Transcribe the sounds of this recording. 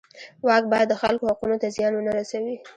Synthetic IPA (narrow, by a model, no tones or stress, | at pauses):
wɑk̚bɑjad̪ːəxalkohaqunot̪azjɑnwənaɾasawi